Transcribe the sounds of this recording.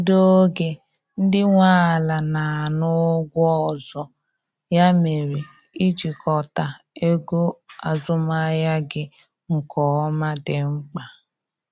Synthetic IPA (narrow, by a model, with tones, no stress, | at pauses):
do˦o˦ɡe˨ | n̩˦dɪ˦ŋʷaː˦a˨la˨na˨a˨nʊ˦ɡʷɔ˦ɔ˨zɔ˨ | ja˦me˨ɾi˨ | i˦d͡ʒi˨kɔ˨ta˨ | e˦ɡo˦a˨zʊ˦ma˦ja˦ɡɪ˦ | ŋ̩˨kʰɔ˨ɔ˦ma˦dɪ˨ŋ͡m̩˦k͡pa˨